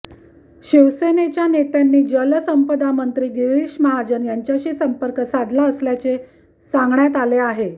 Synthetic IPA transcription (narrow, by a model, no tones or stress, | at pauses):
ɕiʋsenet͡ɕjanet̪janːiːd͡ʑələsəmpəd̪amənt̪ɾiːɡiɾiɕməɦad͡ʑənjaɲt͡ɕjaɕiːsəmpəɾkəsad̪ʱlaəsljat͡se | sãŋɡɳjat̪aleaɦe